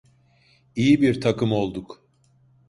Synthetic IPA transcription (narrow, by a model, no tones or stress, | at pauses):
ijibiɾt̪ʰakɯmo̞lˠd̪uk